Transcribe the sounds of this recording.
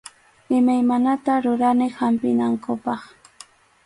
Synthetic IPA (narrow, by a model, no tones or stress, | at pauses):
ɪmajmanat̪aɾʊɾanɪhampɪnaŋkʊpɑχ